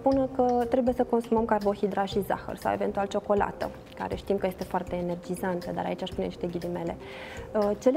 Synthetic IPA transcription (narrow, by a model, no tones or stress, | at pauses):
punkət̪ɾe̞buje̞səko̞nsuməmkarbo̞xid̪ɾaʃiza̰xə̰rsa̰we̞ve̞nt̪ualt͡ʃoko̞la̰t̪ə̰ | ka̰ɾe̞ʃt̪imkəje̞st̪e̞foart̪e̞ːne̞rd͡ʒizant̪əd̪a̰ɾa̰it͡ʃʲaʃpuneniʃt̪e̞ɡʲilime̞le̞ | ət͡ʃe̞l